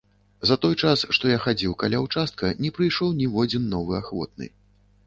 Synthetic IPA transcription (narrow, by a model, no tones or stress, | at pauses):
zɐt̪ɔjt͡ʂasʂt̪ɔjaxad͡zʲiwkalʲawt͡ʂast̪̚kɐnʲɛpɾɨjʂɔwnʲivɔd͡zʲinːɔvɨaxvɔ̰t̪̚nɨ̰